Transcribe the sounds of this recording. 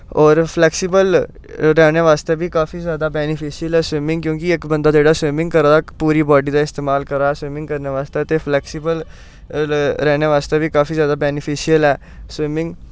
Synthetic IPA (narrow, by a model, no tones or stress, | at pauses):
ɔːɾpʰlɛːksɪbəl | ɾɛːñeːʋaːst̪eːbiːkaːfiːzjaːd̪aːbɛːnɪpʰiːʃijəlɛːswɪmɪ̃ŋɡkjõːkɪɪkbənd̪aːd͡ʒeːɽaːswɪmɪ̃ŋɡkəɾaapuːɾiːbɔːɖiːd̪aːɪst̪eːmaːlkəɾaːɛːswɪmɪ̃ŋɡkəɾneːʋaːst̪eːt̪eːpʰlɛːksɪbəl | ɾɛːñeːʋaːst̪eːbiːkaːfiːzjaːd̪aːbɛːnɪpʰiːʃɪjəlɛː | swɪmɪ̃ŋɡ